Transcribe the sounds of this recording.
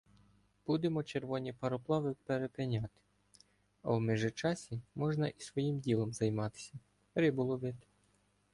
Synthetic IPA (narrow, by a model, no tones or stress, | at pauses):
b̥ud̪emɔt͡ʃeɾʋɔnʲipɐɾɔplˠɑʋɪpeɾepɪnʲɑt̪ɪ̥ | ɐ̰wmɪʒɪt͡ʃɑsʲimɔʒnɐʔi̥sʋɔjimdʲilˠɔmzɐjmɑt̪ɪ̥sʲɐ | ɾɪbʊlˠɔʋɪt̪ɪ̥